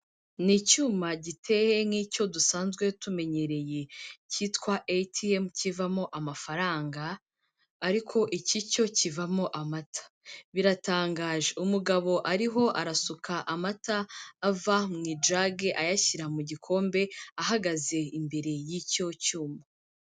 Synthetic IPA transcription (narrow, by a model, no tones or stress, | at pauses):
nicuːmaɟitʰe̞he̞ŋiːco̞dusaːnzɡwe̞tume̞ɲe̞ɾe̞jeciːtkwaʔetʰiemcivamo̞ʔamafaɾaːŋɡaː | ɾikʰo̞ʔicico̞civamo̞ʔamatʰḁ | βiɾataːŋɡaːʒeumuɡaβo̞ʔaɾiɦo̞ʔaɾasukaʔamataːvamŋiːd͡ʒɾaɡeʔajaçiɾamuɟikʰo̞ːmbe̞aɦaɡaze̞imbe̞ɾe̞jico̞cuːma